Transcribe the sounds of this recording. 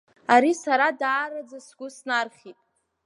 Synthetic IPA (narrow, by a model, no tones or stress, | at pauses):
aɾisaɾadaːɾad͡zasɡʷʊsnarχʲitʼ